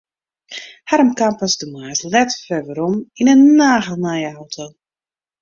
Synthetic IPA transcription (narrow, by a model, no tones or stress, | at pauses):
haɾəmkampasdəmajslɛtfɛʋəɾɔminənːaːɣəlˠnajaawtʰo